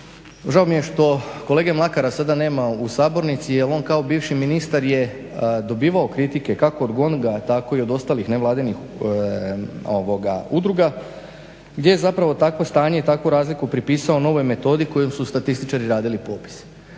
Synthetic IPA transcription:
ʒaomije̞ʃt̪o̞kole̞ːɡemlˠakaɾasad̪ane̞ːmausaːbo̞ɾnit̪sijelˠo̞ːnkaobiːʋʃiminist̪aɾje̞ | d̪o̞biːʋaokɾit̪ike̞kako̞ːd̪ɡo̞nɡat̪ako̞io̞d̪o̞st̪aːlixne̞ʋlˠaːd̪inix | oʋoɡaud̪ɾuɡa | ɡd̪je̞jezapɾaʋo̞t̪akʋo̞st̪aːɲet̪akʋoɾaːzlikupɾipiːsao̞no̞ʋo̞jme̞t̪o̞d̪iko̞jomsust̪at̪ist̪it͡ʃaɾiɾaːd̪ilipoːpi̥s

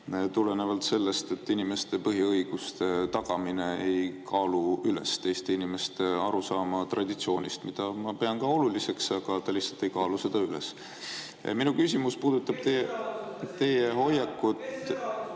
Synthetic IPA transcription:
t̪ule̞ne̞vɑlt̪se̞lːe̞st̪e̞t̪ːinime̞st̪e̞pɤɦiɤjɡ̥ust̪e̞t̪ɑɡ̥ɑmine̞ejkʰɑːluylḛst̪e̞jst̪einime̞st̪eɑɾusɑːmɑt̪rɑd̪it̪sio̞ːnʲist̪mid̪̥ɑmɑpe̞ɑnkɑo̞lulise̞ksɑɡ̥ɑt̪ɑlʲihsɑ̥lt̪ːˑe̞jkɑːluse̞d̪̥ɑyle̞̰s | minukys̬ʲimuspuːd̪ut̪ːˑɑb̥̚t̪e | t̪e̞jeɦo̞jɑkːut̪

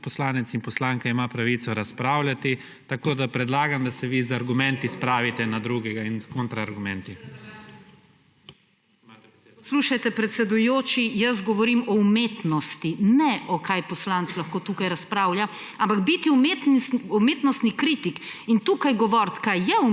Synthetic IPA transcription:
pɔslaːnɛt̪sinpɔslaːŋkaimapɾaʋiːt̪sɔɾaspɾaːwlʲat̪i | t̪akoːd̪apɾɛd̪laːɡamd̪asɛʋizaɾɡumɛnt̪ispɾaːʋit̪ɛnad̪ɾuɡɛɡainskont̪ɾaːɾɡumɛnt̪i | sluːʃajt̪ɛpɾɛt̪sɛd̪ujoːt͡ʃijɐs̬ɡɔʋɔɾiːmɔumeːt̪nɔst̪inɛʔɔkajpɔslanslɐxkoːt̪uːkajɾaspɾaːwlja | ãmpaɡbit̪iumet̪ɔmeːt̪nɔst̪nikɾiːt̪ikint̪uːkajɡɔʋɔɾt̪kajɛu

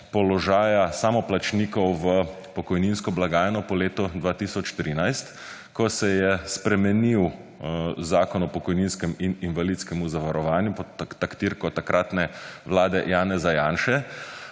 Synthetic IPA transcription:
pɔlɔʒaːjasamɔplat͡ʃniːkɔwʋə | pɔkɔjninskɔblaɡaːjɛnɔpɔleːt̪ɔd̪ʋaːt̪isɔt͡ʃt̪ɾinajst̪ | kɔsɛjɛspɾɛmɛniw | zaːkɔnɔpɔkɔjninskɛmininʋalit̪skɛmuzaʋaɾɔʋaːnjupɔt̪t̪akt̪iɾkɔt̪akɾʔaːt̪nɛʋlaːd̪ɛjaːnɛzajaːnʃɛ

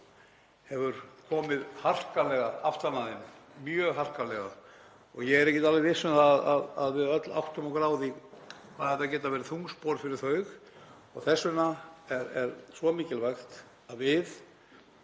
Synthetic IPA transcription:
hɛvʏɾkʰɔːmɪðhar̥kalɛɣaaft̪anaðɪnmjœːɣɦar̥kalɛɣa | ɔɣjɛɣɛɾɛhcɪt̪alvɪɾɪsʏnθaðaðaðvɪðœt̪la̰wht̪ʏmɔwkɾaːwðikʰaðhɛt̪acɛːt̪avɛːɾɪθuŋspɔɾfɪɾɪɾ̥θœɥx | ɔɣθɛsːʏnaɛɾɛɾsvɔmiːcɪlvajxt̪ | aðvɪð

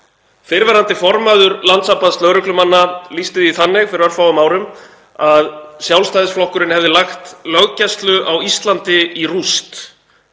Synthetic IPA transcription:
fɪɾvɛɾant̪ɪfɔɾmaðʏɾlant̪sapast̪œɾʏklʏmanːalist̪ɪðiθanːɪɣfɪɾœɾfawʏmaːwɾʏm | aðsjawlst̪ajðɪsflɔhkʏɾɪnhɛvðɪlaxt̪lœɣcɛst̪lʏʔawist̪lant̪ɪirust̪

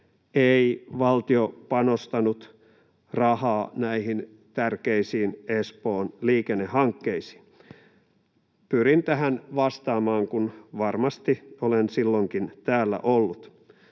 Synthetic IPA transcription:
eiʋɑlt̪iopɑnost̪ɑnut̪ | rɑhɑːnæihin | t̪ærkeisiːnespoːnliːkenːehɑŋkːeisi̥ | pyɾint̪æhænʋɑst̪ɑːmɑːŋkunʋɑrmɑst̪iolensilːoŋkint̪æːlːæ̰ʔolːut̪

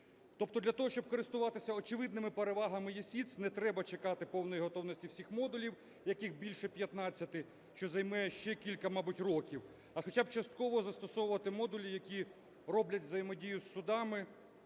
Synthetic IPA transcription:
t̪ɔp̚t̪ɔd̪lʲɐt̪ɔɦɔʃt͡ʃɔb̚kɔɾɪst̪ʊʋɑt̪ɪsʲɐɔt͡ʃɪʋɪd̪nɪmɪpeɾeʋɑɦɐmɪjesʲit̪snɛt̪ɾɛbɐt͡ʃekɑt̪ɪpɔwnɔjiɦɔt̪ɔwnɔsʲtʲiwsʲixmɔd̪ʊlʲiw | jɐkixbʲilʲʃɛpʲjɐt̪nɑt͡sʲːɐt̪ɪ | ʃt͡ʃɔzɐjmɛjɛʃt͡ʃɛkʲilʲkɐmɑbʊtʲrɔkʲiw | ɐxɔt͡ʃab̚t͡ʃɐst̪kɔʋɔzɐst̪ɔsɔwʊʋɐt̪ɪmɔd̪ʊlʲijɐkʲi | rɔblʲɐtʲʋzɐjɪmɔdʲijʊsːʊd̪ɑmɪ

